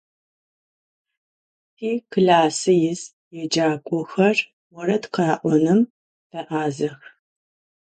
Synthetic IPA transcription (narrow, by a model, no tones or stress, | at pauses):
tʰiːkɮaːsɨjɪz | jɛd͡ʒaːkʷʼɔxɐr | wɔrɐtqɑːʔʷɔnɨm | d̥ɐʔaːzɐx